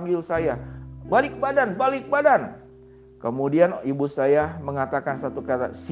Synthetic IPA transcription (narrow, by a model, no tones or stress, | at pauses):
ŋɡɪlsajabalɪk̚badanbalɪk̚badan | kəmudianibusajaməŋat̪akansat̪ukaɾa̰s